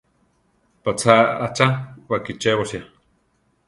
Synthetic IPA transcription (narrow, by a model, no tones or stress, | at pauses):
pat͡sʰaa̰t͡ʃawakit͡ʃeβosja